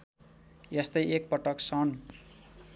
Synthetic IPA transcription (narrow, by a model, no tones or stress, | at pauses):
jest̪ʌjek̚pʌʈʌksʌn